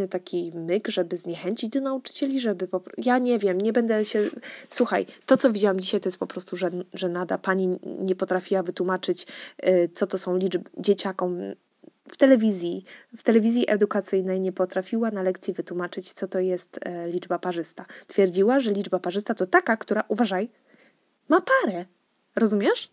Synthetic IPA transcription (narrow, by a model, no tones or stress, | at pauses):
t̪akʲʰimɘɡʐɛbɘzɲɛxɛɲt͡ɕid͡ʑd̪ɔnaut͡ʂɘ̥t͡ɕɛlʲiʐɛbɘpɔpɾjaɲɛvʲjɛmɲɛbɛnd̪ɛɕɛswuxajt̪ɔt̪sɔvʲid͡ʑawamd͡ʑiɕajt̪ɔjɛst̪pɔpɾɔst̪uʐɛʐɛnad̪apaɲiɲɛpɔt̪ɾafʲiwavɘt̪wumat͡ʂɘt͡ɕt̪sɔt̪ɔsɔ̃w̃lʲibd͡ʑet͡ɕakɔm | ft̪ɛlɛvʲizʲjift̪ɛlɛvʲizʲjiʔɛd̪ukat̪sɘjnɛjɲɛpɔt̪ɾafʲiwanalɛkt̪sʲjivɘt̪wumat͡ʂɘt͡ɕt̪sɔt̪ɔjɛst̪lʲid͡ʐbapaʐɘst̪at̪fʲjɛɾd͡ʑiwaʐɛlʲid͡ʐbapaʐɘst̪at̪ɔt̪akakt̪uɾaʔuvaʐaj | mapaɾɛ | ɾɔzumʲjɛʂ